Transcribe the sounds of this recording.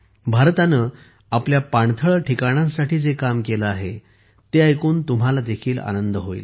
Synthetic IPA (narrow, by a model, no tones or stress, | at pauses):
bʱaɾt̪anə | apljapaɳt̪ʰəɭʈʰikaɽ̃ãnsaʈiːd͡zekamkeləaɦe | t̪eajkuːnt̪um̤alad̪ekʰiːla̰nənd̪əɦoḭːl